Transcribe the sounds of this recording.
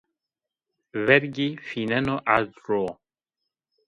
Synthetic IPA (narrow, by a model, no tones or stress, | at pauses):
vɛɾɡifinɛnɔʔadɾo